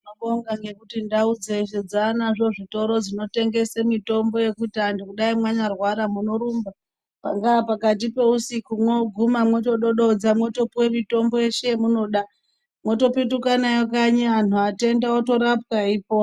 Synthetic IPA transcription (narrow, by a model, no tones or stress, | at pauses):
noɓoŋɡaŋɡe̞kutindaud͡ze̞ʃed͡zanaʐo̞ʐito̞ɾo̞d͡zino̞te̞ŋɡe̞semito̞mbo̞je̞kutandikuɗaimwaɲarwaɾamuno̞ɾumba | paŋɡapakat̬ipe̞usikumwo̞ɡʱumamwet͡ʃo̞ɗo̞ɗod͡zamwe̞to̞pwe̞mito̞mbo̞jeʃeemuno̞ɗa | mwo̞to̞pitukanajok̬aɲian̤uate̞ndaoto̞ɾap̚kaiːp̚o̞